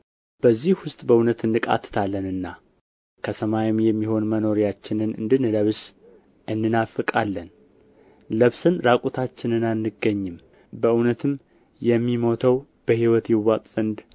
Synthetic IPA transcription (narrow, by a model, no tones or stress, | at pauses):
b̥əzːihwʊst̪ʼbəunət̪ɨndɨkʼa̰t̪ʰːɨ̥t̪ʰalːənɨnːa | kʰəsəmajɪmjɛmːiho̞nməno̞ɾijat͡ʃːɪnɨnɨ̰nd̪ɨnɨləβs | ɨnːɨnafɨkʼalːən | ləβsɨnɾakʼut̪ʰat͡ʃːɪnɨnanːɨɡːəɲːɪm | bəɨwnət̪ʰɨm | jɛmːimo̞t̪ʰəw | b̥əhiwɔt̪jɪwːat̪ʼzənd̪